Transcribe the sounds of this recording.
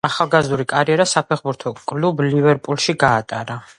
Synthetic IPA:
aχalˠɡazd̪uɾikʼaɾiɛɾasapʰɛχbuɾt̪ʰɔkʼlublivɛɾpʼulˠʃiɡaːt̪ʼaɾa

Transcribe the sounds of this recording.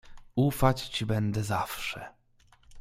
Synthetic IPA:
ufat͡ɕt͡ɕibɛnd̪ɛzafʂɛ̰

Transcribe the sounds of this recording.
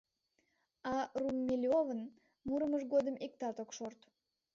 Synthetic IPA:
ɑrumːʲilʲiovən | muɾəməʃɡod̪əmik̚t̪ɑt̪okʃort̪

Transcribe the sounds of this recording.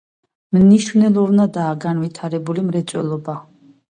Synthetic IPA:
mniʃwnɛlˠɔɾnad̪aːɡanvit̪ʰaɾɛbulimɾɛt̪sʼwɛ̰lˠɔba

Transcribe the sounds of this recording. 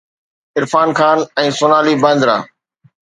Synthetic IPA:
ɪɾfaːnkaːnɛ̃ːsʊnaːliːbə̃nd̪ɾa̰ː

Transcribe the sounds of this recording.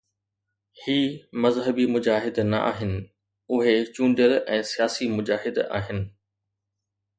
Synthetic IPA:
hiːmɐzɦəbimʊd͡ʑaːɦɪd̪nɐ̰ʔa̰ːɦɪnɪ̆ | ʊɦet͡ɕũːɳɖjəlɛ̃ːsijaːsimʊd͡ʑaːɦɪd̪a̰ːɦɪnɪ̆

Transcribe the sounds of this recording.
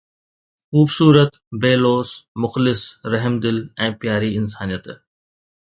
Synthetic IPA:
xuːbsuːɾət̪ | beːloːsmʊxlɪsɾɐɦmd̪ɪlɛ̃ːpjaːɾiɪnsaːnijət̪

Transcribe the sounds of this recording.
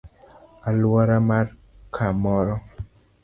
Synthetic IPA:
alwɔɾamar | kʰamɔɾɔ

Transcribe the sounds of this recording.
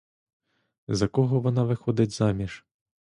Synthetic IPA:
zɐkɔɣɔʋɔnavɨxɔd̪ʲɐd͡zʲzamʲiʂ

